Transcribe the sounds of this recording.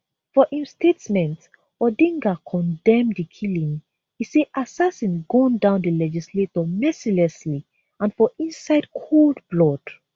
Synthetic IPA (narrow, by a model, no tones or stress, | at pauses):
fɔʔĩmstetmɛ̃nt | ɔdĩŋɡakʰɔ̃ndɛ̃mdikʰilĩŋ | iseʔasasĩnɡɔ̃ndãʊ̃ndilɛd͡ʒisletɔmɛsilɛsli | ãnfɔʔĩnsaɪdkʰoldblɔd̥